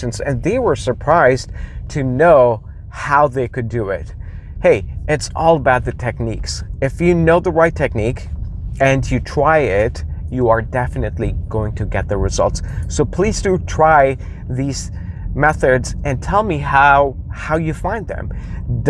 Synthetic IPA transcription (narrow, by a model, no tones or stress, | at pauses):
ɨ̃nzɨ̰̃nðeɪwə˞sə˞pʰɹ̥aɪztʰɨnoʊ | haʊðeɪkɨdɨɪ̰t̚ | heɪʔɪtsʔɔlˠəbaʊt̪̚ðɨtʰɛk̚niksɨfjɨnoʊðəɹaɪtʰɛk̚nikɨ̃njɨtʰɹ̥aɪɪtjɨə˞dɛfɨnɨtˡliɡ̥oʊɪ̃ŋtʰɨɡɛt̪̚ðɨɹɨzʌ̰lˠtsːoʊpʰl̥iz̥dɨtʰɹ̥aɪ | ðiz̥ | mɛθədz̥ɨ̃ntʰɛlˠmihaʊ | haʊjɨfãɪ̃nðɨ̰̃m | d